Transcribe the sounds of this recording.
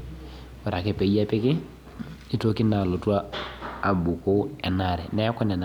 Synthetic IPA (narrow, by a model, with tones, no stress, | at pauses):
wa˨ɾa˨kɛ˨pe˨˦ja˦pe˦ki˦ | i˦to˦ki˦na˨lo˨tu˦aː˦˨ | bu˨ko˦ɛ˨na˨ɾɛ˨nɛ˦a˦kɔ˦nɛ˨na